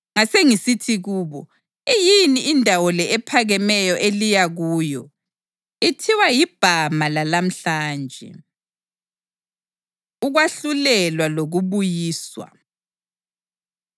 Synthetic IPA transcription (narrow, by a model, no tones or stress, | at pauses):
ŋaseŋisitʰiɣuːβɔ | ijiniindʱawɔlɛːpʰaɣɛmɛjɔʔelijaɣuːjɔ | itʰiwajib̥ʱamalalam̩ɬaːnd͡ʒʱɛ̰ | uɣwaɬulɛlwaloɣuβujiːswa̰